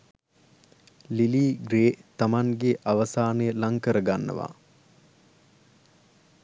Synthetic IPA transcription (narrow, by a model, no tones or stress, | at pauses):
liliːɡɾeːt̪amaŋɡeʔaʋəsaːnəjəlaŋkəɾəɡanːə̰ʋa̰